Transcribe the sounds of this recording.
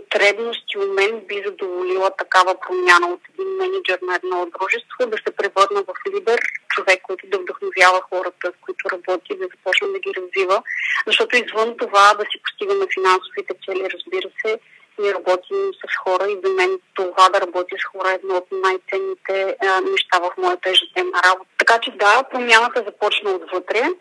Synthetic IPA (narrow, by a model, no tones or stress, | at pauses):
pot̪ɾɛbnost̪iomɛnbizɐd̪ovolilˠət̪ɐkavəpɾomʲjanəot̪ɛd̪inmɛnid͡ʒɛɾnɐɛd̪nɔd̪ɾuʒɛst̪v̥od̪ɐsɛpɾɛvɤɾnəvɐflid̪ɛɾt͡ʃovɛkːɔjt̪ʊd̪ɐvd̪ɐxnovʲjavəxɔɾət̪əskoit̪ʊɾɐbɔt̪id̪ɐzɐpɔt͡ʃnəd̪ɐɡʲiɾɐzvivəzɐʃt̪ɔt̪ʊizvɤnt̪ovad̪ɐsipʊ̥st̪iɡənɐfinansovit̪ɛt̪sɛliɾɐzbiɾəsɛ | miɛɾɐbɔt̪imsɐsxɔɾəizɐmɛnt̪ovad̪ɐɾɐbɔt̪isxɔɾəɛd̪nɔot̪najt̪sɛnːit̪ɛnɛʃt̪avɐfmɔjɐt̪əɛʒɛt̪ɛnəɾabot̪t̪ɐkat͡ʃɛd̪apɾomʲjanət̪əzɐpɔt͡ʃnəod̪vɤt̪ɾɛ